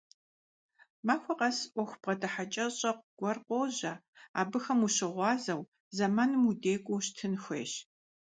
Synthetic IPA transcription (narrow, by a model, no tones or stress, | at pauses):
maːxʷɔqɐsʔʷɔxʷpʁɐdɐħat͡ʃʼɐɕʼɐqʷɡ̥ʷɐrqʷoːʑɐ | aːbɨxɐmuɕɪʁʷɑːzɐw | zɐmaːnɨmudeːkʷʼoɕtʰɨnxʷḛːʃ